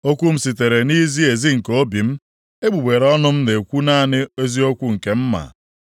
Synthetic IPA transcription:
o˦kʷu˦m̩˨si˨te˨ɾe˨ni˦zi˦e˨zi˦ŋ̩˨ko˦bi˨m̩˦ | e˦ɡ͡bu˨ɡ͡be˨ɾɔ˦nʊ˦m̩˦ne˨kʷu˦na˦˨nɪ˦e˦zi˦o˦kʷu˦ŋ̩˨ke˨m̩˦ma̰˨

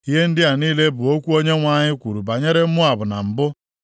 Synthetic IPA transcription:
i˦ɦe˦n̩˦dɪ˦a˨niː˦le˦bʊ˨o˦kʷu˦o˦ɲe˦ŋʷa˦˨ɲɪ˦kʷu˨ɾu˨ba˨ɲe˦ɾe˦m̩˦mʊ˦a˨bʊ˨na̰˨m̩˨bʊ˦

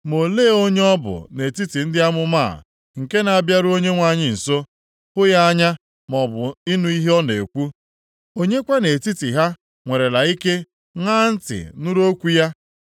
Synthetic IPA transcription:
mo˨leː˦˨o˦ɲe˦ɔ˦bʊ̰˨ne˨ti˦ti˨n̩˦dɪ˦a˦mʊ˦ma̰˦˨ | ŋ̩˨ke˦na˨a˨bja˦ɾʊ˦o˦ɲe˦ŋʷa˨ɲɪ˨n̩˨so˦ | hʊ˦ja˦a˦ɲa˦ | m˨ɔ˨bʊ˨i˦nu˦i˦ɦe˦ɔ˦ne˨kʷu˦ | o˦ɲe˦kʷa˦ne˨ti˦ti˨ɦa˦ | ŋʷe˨ɾe˨la˨i˦ke˦ | ŋaː˦n̩˦tɪ̰˨nʊ˦ɾo˦kʷu˦ja˦

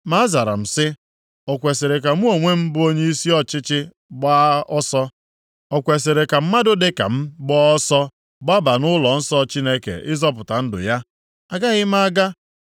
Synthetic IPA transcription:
ma˦a˦za˨ɾa̰˨m̩˨sɪ˦ | ɔ˨kʷe˨se˨ɾe˨k̬a˨m̩˦o˨ŋʷe˦m̩˦bʊ˦o˦ɲe˦i˦si˦ɔ˦t͡ʃɪ˦t͡ʃɪ˦ | ɡ͡ba˦ɔ˦sɔ˦ | ɔ˨kʷe˨se˨ɾe˨ka˨m̩˦ma˦dʊ˦dɪ˦ka̰˨m̩˦ɡ͡bɔ˦ɔ˦sɔ˦ | ɡ͡ba˦ba˨nʊ˦lɔ˨n̩˦sɔ˦t͡ʃi˦ne˦kḛ˨ʔɪ˦zɔ˦p̬ʊ˨ta˨n̩˦dʊ̰˨ja˦ | a˨ɡa˦ɣɪ˦ma˦ɡa˦

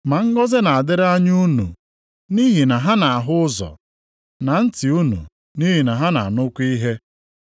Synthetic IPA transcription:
ma˨ŋ̩˦ɡɔ˦zɪ˦na˨a˨dɪ˦ɾa˦ɲu˦nṵ˨ | ni˦ɦi˨na˨ɦa˦na˨a˨ɦʊ˦zɔ̰˨ | na˨n̩˦ti˨u˦nṵ˨ | ni˦ɦi˨na˨ɦa˦na̰˨nʊ˦kʷi˦ɦe˦

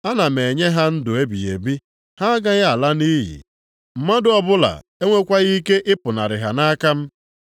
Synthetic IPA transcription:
a˦na˨me˨ɲe˦ɦa˦n̩˦dʊ˨e˦bi˨je˨bi˦ | ha˦a˦ɡa˦ɣa˨la˦ni˦ɦḭ˨ | m̩˨ma˦dʊ˨ɔ˦bʊ˦la̰˨ | e˦ŋʷe˦kʷa˦ɣi˦ke˦ʔɪ˦pʊ˨na˨ɾɪ˨ɦa˨na˦ka˦m̩˦

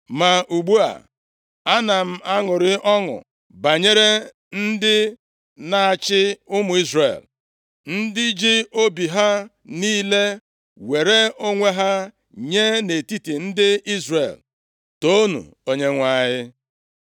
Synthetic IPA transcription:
ma˨ʔu˨ɡ͡bu˦a̰˨ | a˦na˨m̩˦a˦ŋʊ˨ɾɪ˦ʔɔ˦ŋʊ̰˨ | ba˨ɲe˦ɾe˦ | n̩˦dɪ˦ | na˨a˨t͡ʃɪ˦ʊ˦mʊ˨i˦zrḛ˨l | n̩˦dɪ˦d͡ʒi˦o˦bi˨ɦa˦ | niː˦le˦ | we˨ɾe˦o˦ŋʷe˦ɦa˦ | ɲe˦ne˨ti˦ti˨n̩˦dɪ˦i˦zrḛ˨l | to˦nṵ˨ | o˨ɲe˦ŋʷa˨ɲɪ˦

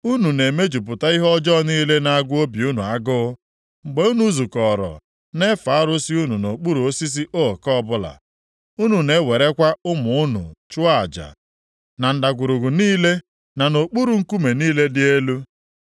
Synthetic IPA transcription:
u˦nu˨ne˨me˦d͡ʒu˨p̬ʊ˨ta˦i˦ɦɔ˦d͡ʒɔ˦niː˦le˦na˨a˦ɡʷʊ˦o˦bi˨u˦nu˨a˦ɡʊ˦ | ŋ͡m̩˨ɡ͡be˦u˦nu˦zu˨kɔ˨ɾɔ̰˨ | ne˦fa˨˦ɾʊ˦si˦u˦nu˨no˨k͡pu˦ɾu˨o˦si˦s̬i˦ʔo˦˨kɔ˦˨bʊ˦la̰˨ | u˦nu˨ne˨˦we˨ɾe˦kʷa˦ʊ˦mʊ˨ʊ˦nʊ̰˨t͡ʃʊ˦a̰˨d͡ʒa̰˨ | na˨n̩˨da˨ɡʷʊ˨ɾʊ˨ɡʊ˨niː˦le˦ | na˨no˨k͡pu˦ɾu˨ŋ̩˦ku˦me˨niː˦le˦dɪ˦e˦lu˦

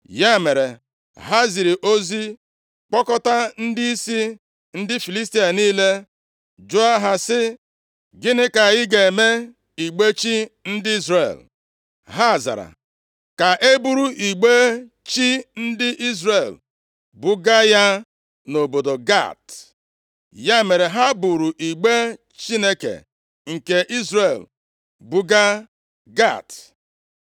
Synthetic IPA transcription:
ja˦˨me˨ɾe˨ | ɦa˦zi˨ɾi˨ʔo˦zi˦ | k͡pɔ˦kɔ˦ta˦n̩˦di˦i˦si˦ | n̩˦dɪ˦fi˨li˦s̬ti˦a˨niː˦le˦ | d͡ʒʊ˦a˦ɦa˨sɪ˦ | ɡɪ˦nɪ˦ka˨jɪ˦ɡe˨e˨me˦ | i˨ɡ͡be˦t͡ʃi˦n̩˦dɪ˦i˦zɾe˨l | ɦa˦˨za̰˨ɾa̰˨ | ka˨ʔe˦bu˦ɾu˦ʔi˨ɡ͡be˦ | t͡ʃi˦n̩˦dɪ˦ʔi˦zɾe˨l | bʊ˦ɡa˦ja˦ | no˨bo˨do˨ɡa̰˦˨t | ja˦˨me˨ɾe˨ɦa˦bu˨ɾu˨ʔi˨ɡ͡be˦ | t͡ʃi˦ne˦kḛ˨ | ŋ̩˨ke˨ʔi˦zɾe˨l | bʊ˦ɡa˦ | ɡa̰˦˨t

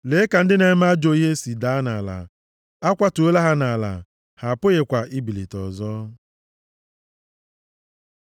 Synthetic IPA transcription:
le˨˦ka˨n̩˦dɪ˦ne˨˦m˦a˦d͡ʒo˦ɦe˦si˨da˨˦na̰˨la̰˨ | a˦kʷa˦tu˨o˦la˦ɦa˦na˨la̰˨ | ha˨pʊ˦ɣe˨kʷa˨ʔi˦bi˨lḭ˨tɔ̰˨zɔ˦

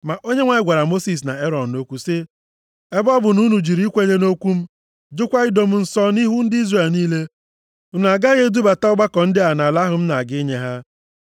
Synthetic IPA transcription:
ma˨ʔo˦ɲe˦ŋʷa˨ɪ˦ɡʷa˨ɾa˨mo˦si˨s̬na˨e˦ɾɔ˨nː˨o˦kʷu˨sɪ˦ | e˦bɔ˦bʊ˨nu˦nu˨d͡ʒi˨ɾi˦kʷe˦ɲe˦no˦kʷu˦m̩˦ | d͡ʒʊ˦kʷa˦ɪ˦do˨m̩˦n̩˦sɔ˦ni˦ɦu˦n̩˦dɪ˦i˦zre˨lniː˦le˦˨ | n˨a˨ɡa˦ɣe˦du˦ba˨ta˦ʊ˦ba˦kɔ˨n̩˦dɪ˦a˨na˨la˦ɦʊ˨m̩˦na˨ɡɪ˦ɲe˨ɦa˦

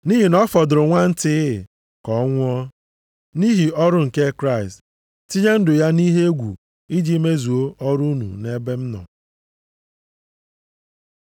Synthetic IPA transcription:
ni˦ɦi˨nɔ˦fɔ˨dʊ˨ɾʊ˨ŋʷa˦n̩˦tɪ˦˨ | kɔ˨˦ŋʷʊ˦ɔ˦ | ni˦ɦi˨ɔ˦ɾʊ˦ŋ̩˨ke˦kɾa˦ɪ˨st | ti˦ɲe˦n̩˦dʊ˨ja˦ni˦ɦe˦ɡʷṵ˨ | i˦d͡ʒi˦me˦zu˨o˦ʔɔ˦ɾu˦nṵ˨ne˦be˦m̩˦nɔ̰˨

